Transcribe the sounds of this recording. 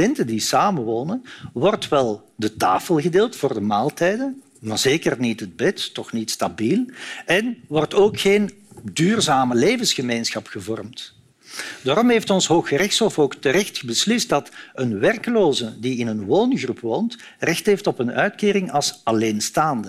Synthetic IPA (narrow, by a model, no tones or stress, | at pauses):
ɛntədisaːmənʋoːnənʋɔrtʋɛlˠ | dəta̰ːfəlˠɣədeːlˠtfʊːrdəmaːlˠtɛjdən | mazeːkərnitəd̚bɛtːɔxnitstabiːlɛnʋɔrtoːkxeːn | dyːrzaːməleːvənsxəmeːnsxɑpxəvɔrmt | d̥aːɾɔmɦeːftɔnsɦoːxərɪxtshɔfoːktəɾɛxtxəbəslɪst̚dɑtənʋɛrkəloːzədiɪnənʋoːnɣrupʰʋoːnt | rɪxtɦeːftɔpənœɥtkeːɾɪŋɑlˠsɑleːnstaːndə